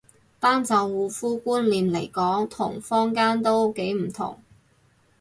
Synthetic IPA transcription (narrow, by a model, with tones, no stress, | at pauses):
t̪aː˥nt͡sɐ˨˧wːuː˨˧fuː˥kuː˥nliː˨˩nle˨˩jkɔː˨˥ŋt̪ʰʊ˨˩ŋfɔː˥ŋkaː˥nt̪o˥wke˨˥jm̩˨˩t̪ʰʊ̰˨˩ŋ